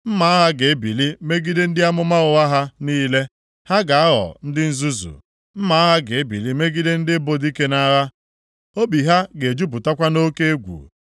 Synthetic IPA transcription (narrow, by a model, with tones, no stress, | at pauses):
m̩˦ma˨˦a˦ɦa˦ɡe˨e˦bi˨li˦me˦ɡi˦de˦n̩˦dɪ˦a˦mʊ˦ma˦ɣʊ˨ɣa˦ɦa˦niː˦le˦ | ha˦ɡa˨a˦ɦɔ̰˨n̩˦dɪ˦n̩˦zu˦zṵ˨ | m̩˦ma˨˦ɦa˦ɡe˨e˦bḭ˨li˦me˦ɡi˦de˦n̩˦dɪ˦bo˦di˦ke˦na˦ɣa˦ | o˦bi˨ɦa˦ɡe˨d͡ʒu˦p̬ʊ˨ta˦kʷa˦no˦ke˦e˦ɡʷṵ˨